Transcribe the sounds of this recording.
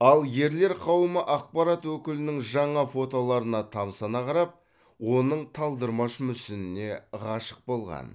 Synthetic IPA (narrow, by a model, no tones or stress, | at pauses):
ɑlˠje̞ɾle̞ɾqʰɑwəməʔɑq̚pɑɾat̪wɵkʲɪlɪnɪŋʒɑɴɑfo̞t̪o̞lˠɑɾənɑt̪ʰɑmsɑnɑqɑɾɑp̚ | wo̞nəɴt̪ʰɑlˠd̪əɾmɑʃmʏsɪnɪne̞ʁɑʃə̥q̚bo̞lˠʁɑ̰n